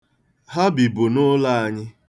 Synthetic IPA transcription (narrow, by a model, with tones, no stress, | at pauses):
ɦa˦bi˨bʊ˨nʊ˦la˦a˨ɲɪ˦